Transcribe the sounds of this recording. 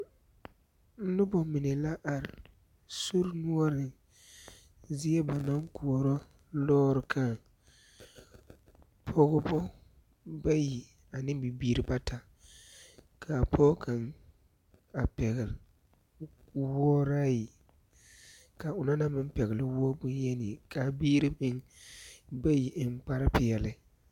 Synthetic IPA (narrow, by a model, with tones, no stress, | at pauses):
n̩˦nʊ˦bɔ˨mɪ˨nɛ˨la˦ʔa˨ɾɪ˨ | su˦ɾnu˦ɔ˦ɾɪ˨ | zi˦ɛ˦ba˨na˦ŋ˦ku˨ɔ˨ɾɔ˦ | lɔː˦ɾɪ˨kʰa˦ | pʰɔ˦ɡʊ˦bɔ˦ | ba˦ji˨ | a˨nɪ˦bi˨biː˦ɾɪ˨ba˦tʰa˨ | kʰa˨pʰɔ˦kʰa˨n | a˨pɛ˨ɣɪ˨l | wɔ˦ɾa˦ji˨ | ka˨ʊ˨na˦na˦mɪ˦m˦pɛ˨ɣɪ˨lɪ˦wɔ˦bʊ˦n˦jɛ˦nɪ˨ka˨biː˦ɾɪ˦mɪ˦ŋ | ba˦ji˨ʔɪ˨mk͡pa˦ɾa˦pɪ˨jɛ˨lɪ˦